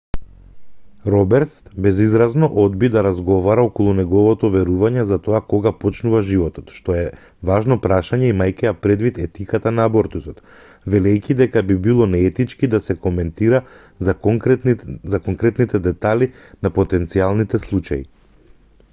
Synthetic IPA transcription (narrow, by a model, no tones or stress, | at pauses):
ɾɔbɛɾt̪sbɛzizɾaznɔʔɔd̪bid̪aɾazɡɔvaɾaɔkɔlˠunɛɡɔvɔt̪ɔvɛɾuvaɲɛzat̪ɔakɔɡapɔt͡ʃnuvaʒivɔt̪ɔ̥t̪ʃt̪ɔɛ | vaʒnɔpɾaʃaɲɛimajkɛjapɾɛd̪vit̪ɛt̪ikat̪anaːbɔɾt̪usɔt̪ | vɛlɛjcʲid̪ɛkabibilˠɔnɛɛt̪it͡ʃkid̪asɛkomɛnt̪iɾa | zakɔŋkɾɛt̪nit̪ɛd̪ɛt̪alʲi | napɔt̪ɛnt̪sialˠnit̪ɛslˠut͡ʃaḭ